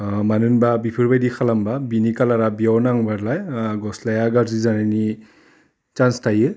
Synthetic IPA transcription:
manɯnbabipʰɯɾbajdikʰalambabinikalaɾabiawnaŋbaɾlajɡɔslajaɡaɾzizanani | t͡ʃanstʰajɯ

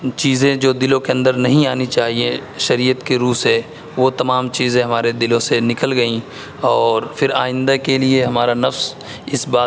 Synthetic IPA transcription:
t͡ʃiːzẽd͡ʒoːd̪ɪlõkeɐ̃nd̪əɾnɐɦĩaːnit͡ʃaːɦieʃɐɾiːət̪keɾuːse | ʋoːt̪ɐmaːmt͡ʃiːzẽɦɐmaːɾed̪ɪlõsenɪkəlɡɐĩ | ɔːɾfʰɪɾaːɪ̃nd̪akelieɦɐmaːɾanɐfs | ɪsbaː

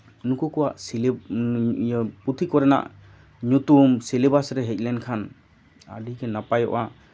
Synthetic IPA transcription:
unukɔkɔwaʔsil | put̪ʰikɔɾɛna̰ʔ | ɲut̪umsilebasɾɛɦɛc̚ˀlɛnkʰan | a̰ɖikɛnapajɔ̰ʔa

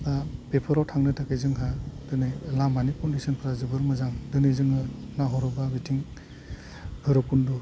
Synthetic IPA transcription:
bapepʰɔɾɔwtʰaŋnɯtʰakʰajzɯŋɦad̥ɯnɯjlambanikɔndisɔnpʰɾazɯbɯɾmɯzaŋdɯnɯjzɯŋɯnaɦɔɾɔbabitʰiŋ | bʰɯɾɔkundu

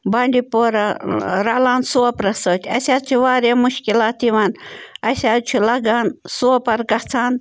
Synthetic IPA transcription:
bɐɳʲd̪ʲipoɾɐɾalaːnsuopɾɐsoːt̪ʲɐsʲaːt͡ʃʰuʋaːɾʲamuʃkʲilaːt̪iʋanɐsʲaːt̪t͡ʃʰulɐɡansuopɐɾɡɐht͡sʰaːn

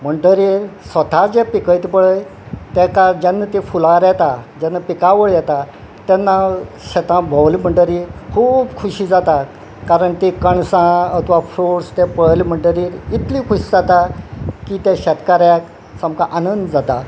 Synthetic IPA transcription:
m̤əɳɖəɾiːɾsʋət̪ʰad͡ʑɛpikəjt̪ipəɭəj | t̪ɛkad͡ʑɛnːət̪ifulaɾjɛt̪ad͡ʑɛnːapikaʋəɭjɛt̪a | t̪ɛnːa | ɕɛt̪ãbʱəwlim̤əɳɖəɾikʰuːbkʰuɕiːd͡zat̪a | kaɾəɳt̪ikəɳsãət̪ʰʋafɾoɽst̪ɛpəɭlm̤əɳɖəɾiːɾit̪liːkʰuɕiːd͡zat̪akit̪ɛ̃ɕɛt̪kaɾjak | sãmkãʔanənd̪d͡zat̪a

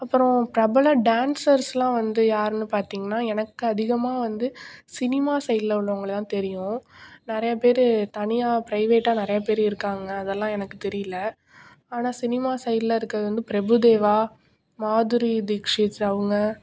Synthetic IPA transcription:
ɐpːɯɾɔ̃pɾɐbɐlɐɖaːnsɐɾslãːʋɐnd̪ɯjaːɾɛnːɯpaːɾt̪iːŋɡɐnːaːɛnɐkːɯɐðɪɣɐmaːʋɐnd̪ɯsɪnɪmaːsɐjlɐʊɭːʊŋɡɐɭɯt̪ãːt̪ɛɾɪjʊ̃nɪɾɐjɐpeːɾɯt̪ɐnɪjaːpɾɐɪʋeːʈːaːnɪɾɐjɐpeːɾɪɾɯkːaːŋɡɐːðɛlːãːɛnɐkːɯt̪ɛɾɪjɪlɐ | aːnaːsɪnɪmaːsɐjllɐɪɾɯkːɾɐðɯʋɐnd̪ɯpɪɾɐbɯd̪eːʋaː | maːðɯɾid̪ɪkʂɪsɐʋɯŋɡɐ

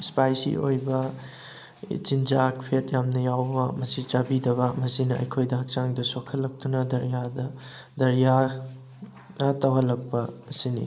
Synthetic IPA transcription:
ispajsḭʔojbɐ | t͡ʃind͡ʒak̚pʰet̚jamnɐjawbɐmɐsit͡ʃabidɐβɐmɐsinɐɐ̰jkʰojdɐɦɐk̚t͡ʃaŋdɐsokʰɐlːɐk̚tunɐdɐɾijadɐ | dɐɾija | ɐtɐwɦɐlːɐk̚pɐːsinḭ

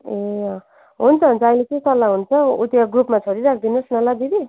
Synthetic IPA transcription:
e | ɦunt͡sʰʌɦunt͡sʰʌʌjlet͡sʌj̃t̪ʌlːaɦunt͡sʰʌṵt̪jaɡrupmat͡sʰoɾiɾakʰd̪inosnʌlab̪id̪i

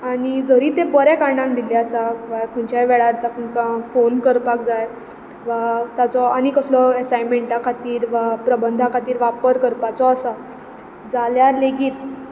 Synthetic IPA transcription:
aɽ̃id͡zəɾiːt̪ẽbəɾɛkaɳɖãŋk̚d̪ilɛəsaʋakʰənt͡ɕajʋɛɭaɾt̪akʰəkãfonkəɾpakd͡zaj | ʋat̪at͡sɔañikəslɔesajmeɳʈakʰat̪iːɾʋapɾəbənd̪ʱakʰat̪iːɾʋapəɾkəɾpat͡sɔːsa | d͡zaljaɾleɡiːt̪̚

